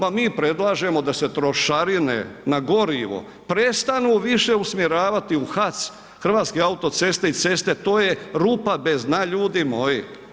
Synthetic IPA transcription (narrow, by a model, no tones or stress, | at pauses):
pamiːpɾe̞d̪lˠaːʒe̞mo̞d̪ase̞t̪ɾo̞ʃaɾinḛnaɡo̞ɾiʋo̰ | pɾest̪anuːʋiʃeusmjeɾaːʋat̪iuxat̪s | xr̩ʋaːt̪skeaut̪o̞t̪se̞st̪e̞it̪se̞st̪e̞t̪o̞ːje̞ɾuːpabe̞znaʎuːd̪imo̞ji